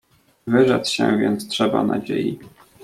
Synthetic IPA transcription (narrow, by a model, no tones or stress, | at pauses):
vɘʐat̪sɕɛ̃vʲjɛnt̪stʂɛbanad͡ʑeji